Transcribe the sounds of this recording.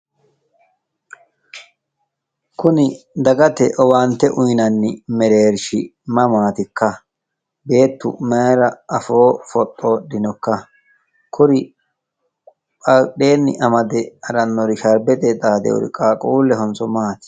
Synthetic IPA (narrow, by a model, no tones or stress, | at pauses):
kʊnɪd̪ɐɡɐt̪ɛʔɔwaːnt̪ːɛʔʊjnɐnːɪmɛɾeːɾʃɪmɐmaːt̪ɪkːɐ | be̞ːt̪ːʊ̰mɐjɾɐʔɐfo̞ːfɔt̪ʼːo̞ːdɪnɔkːɐ | kʰʊɾɪ | ɐɗeːnːɪ̰ʔɐmɐd̪ɛɐɾɐnːɔɾɪʃɐɾbɛt̪ʼɛt̪aːd̪ɛ̰wɔ̰ɾɪ̰kʼaːkʼuːlːɛɦɔnt͡sɔmaːt̪ɪ̥